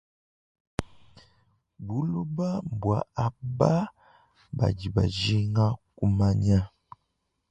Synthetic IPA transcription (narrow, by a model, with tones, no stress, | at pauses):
bu˦lu˦ba˦m˨bwa˨a˨ba˦ | ba̰˨ɟi˨ba̰˨d͡ʒi˦ŋa˦ku˦ma˦ɲa˦